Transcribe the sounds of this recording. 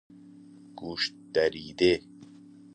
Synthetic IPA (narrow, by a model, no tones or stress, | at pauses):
ɡ̥uʃtd̪̥ɐɾiːd̪e